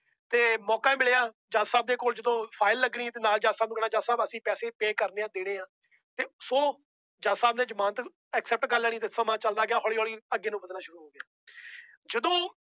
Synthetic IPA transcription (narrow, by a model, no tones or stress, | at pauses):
t̪eːmɔːkaːmɪlejaː | d͡ʒaːsaːb̚d̪eːkoːld͡ʒəd̪õːpʰaːɪlːəɡɳiːt̪eːnaːld͡ʒaːsaːbnũkɽaːd͡ʒaːsaːbəsĩːpɛːseːpeːkəɾneːãːd̪ɪɽ̃eːãː | t̪eːsoː | d͡ʒaːsaːbneːd͡ʒəmãːnt̪ | ɛksɛːp̚ʈkəɾlɛːɽ̃iːt̪eːsəmãːt͡ʃəld̪aːɡɪaːɦɔːɭiːɦɔːɭiːəɡːeːnũːbəd̪naːʃʊɾuːɦoːɡjaː | d͡ʒəd̪õː